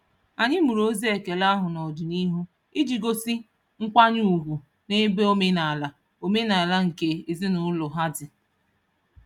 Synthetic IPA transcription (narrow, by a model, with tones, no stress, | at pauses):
a˨ɲɪ˦mu˨ɾo˦zi˦e˨ke˨la˦ɦʊ˨nɔ˨dʊ˨ni˦ɦu˦ | i˦d͡ʒi˨ɡo˦si˦ | ŋ̩˦kʷa˦ɲ˦u˨ɡʷu˨ | ne˦be˦o˦me˦na˨a˨la˨ | o˦me˦na˨la˦ŋ̩˨ke˨i˨zi˦nʊ˦lʊ˨ɦa˦dɪ˨